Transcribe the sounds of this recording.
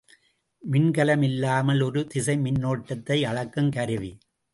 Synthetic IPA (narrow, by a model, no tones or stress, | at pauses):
mɪnkɐlɐmɪlːaːmɐlɔɾɯt̪ɪsɐɪmɪnːoːʈːɐt̪ːɐɪɐɻɐkːɯmkɐɾɯʋi